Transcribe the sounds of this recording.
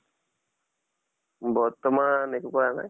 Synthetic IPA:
bɔt̪ːɔmanekukɔana̰j

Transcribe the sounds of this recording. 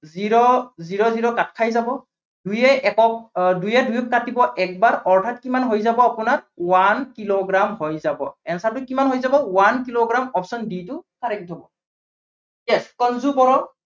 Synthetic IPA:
ziɹɔziɹɔziɹɔkatkʰajzabɔ | d̥ujɛʔɛkɔdujɛdujɔkkatibɔʔɛk̚baɹɔɹtʰatkimanɦojzabɔapʊnawankiloɡɹamhojzabɔ̰ɛnsat̬ʊkimanɦojzabɔwankiloɡɹamɔpsɔnditʊkaɹɛkitʰɔbɔ | jɛskɔnzubɔɹɔ

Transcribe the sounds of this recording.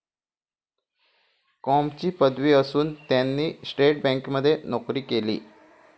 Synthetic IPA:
kɔmt͡ɕiːpəd̪ʋiəsuːnt̪janːiːsʈeʈ̚bɛ̃ŋkməd̪ʱːjenokɾiːkelḭː

